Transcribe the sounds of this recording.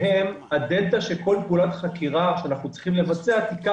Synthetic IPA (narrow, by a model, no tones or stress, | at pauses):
em | ad̪elt̪aʃeko̞lpulat̪χakiʁaʃeanaχnut͡si̥χimle̞vat͡seat̪ika